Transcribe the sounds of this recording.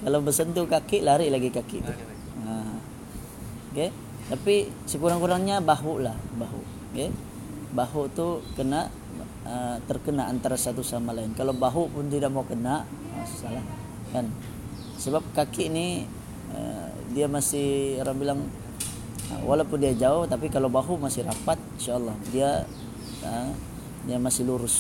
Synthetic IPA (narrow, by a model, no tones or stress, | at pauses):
kalawbəsənt̪ukakɪʔlaɾiʔlaɡikakɪ̰ʔt̪u | ə | ke | t̪apisəkuɾaŋkuɾaŋɲabaɦuʔlahbaɦṵʔ | kɛ | baɦuʔt̪ukənaʔ | ət̪ərkənaʔant̪aɾasat̪usamalaɪnkalawbaɦuʔpʊnt̪idaʔ̚mawkənaʔ | asi̥salah | kan | səbap̚kakɪnɪ | ə̰ | diamasɪhaɾaŋbilaŋ | ə̰walawpʊndiad͡ʒaʊht̪ap̬ikalawbaɦuʔmasɪɾapat̪̚nʃalˠːɑhdia | ə | diamasɪluɾʊs